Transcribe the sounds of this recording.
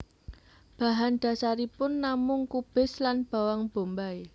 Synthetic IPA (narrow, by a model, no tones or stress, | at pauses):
b̥ä̤ɦand̪̥a̤saɾipʊnːamʊŋkub̥ɪ̤slanb̥a̤waŋb̥o̤mbaj